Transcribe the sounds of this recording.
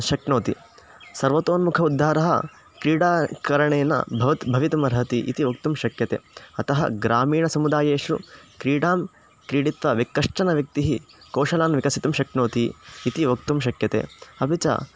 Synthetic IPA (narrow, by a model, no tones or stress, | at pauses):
ʃɐknoːt̪ḭ | sɐɾʋɐt̪oːnmukʰɐud̪ʱːaːɾɐɦɐ̰ | kɾiːɽaːkɐɾɐɳeːnɐ̰bʱɐʋɐt̪bʱɐʋit̪ɐmɐɾɦɐt̪iʔḭt̪iʋɐk̚t̪umʃɐkjɐt̪ḛːɐt̪ɐɦɐ̰ɡɾaːmiːɳɐsɐmud̪aːjeːʃɾṵkɾiːɽaːm | kɾiːɽit̪ʋɐʋikːɐʂʈɐnɐʋjɐk̚t̪iɦi | koːʃɐlaːnʋikɐsit̪umʃɐkɳoːt̪iːt̪iʋɐkt̪umʃ̬ɐkjɐt̪ḛːɐbʱit͡ʃɐ̰